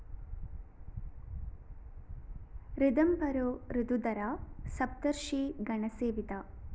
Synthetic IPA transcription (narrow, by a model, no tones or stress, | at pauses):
ɾid̪ɐmbɐɾoːɾid̪ud̪ɐɾaːsɐp̚t̪ɐɾʃiɡɐɳɐseːʋit̪a